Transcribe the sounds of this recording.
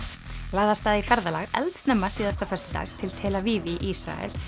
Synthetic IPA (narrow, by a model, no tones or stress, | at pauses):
laːðast̪aːðifɛɾðalaɣɛ̰lt̪snɛmːasiːðast̪afɛst̪ɪ̥t̪a̰ːɣt̪ʰɪlt̪ʰɛːlaviːviʔisɾa̰ɛ̰l̥